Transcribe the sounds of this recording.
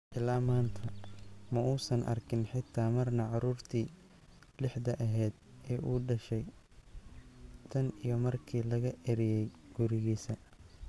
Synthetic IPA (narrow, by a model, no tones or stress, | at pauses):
ʔɪlaːmaːnt̪ʰɐmɐʔuːsɐnʔɐ̰rkʰɪnħɪt̪ʰːaːmɐrnɐʕɑɾuːrt̪ʰiː | lɪħd̪ɐʔɐɦɛːd̪ | ɛːʔuːɖɐʃɛj | t̪ʰɐnijɞmɐrkʰiːlɐɣɐʔɛɾɪjɛjɡ̥ʊɾɪɣiːsɐ